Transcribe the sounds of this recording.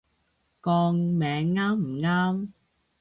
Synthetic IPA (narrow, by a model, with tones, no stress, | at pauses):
kɔː˧ŋmɛː˨˧ŋːaː˥m̩˨˩ŋaː˥m